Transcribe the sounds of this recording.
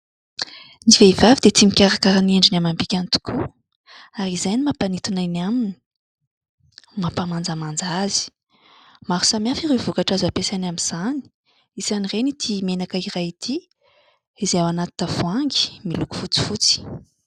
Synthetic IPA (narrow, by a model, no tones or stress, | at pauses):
niveivavid̪et͡s̪imikʲaɾakaɾaneɳɖ͡ʐinamambikʲant̪u̥ku | aɾizajnimapanit̪unaniamini̥ | mapamand͡zamand͡zazi̥ | maɾu̥samiafiɾevukaʈ͡ʂazapesanamiz̥ani̥ | isanirenit̪ʰimenakairait̪ʰi | izeawanat̪i̥t̪afuaŋɡi̥miluku̥fut͡si̥fut͡si̥